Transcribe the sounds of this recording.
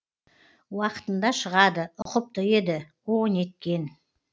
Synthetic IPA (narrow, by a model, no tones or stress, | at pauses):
wɑqə̥t̪ənd̪ɑʃəʁɑd̪əʊqəp̚t̪əje̞d̪ɪ | one̞t̪̚kʲe̞n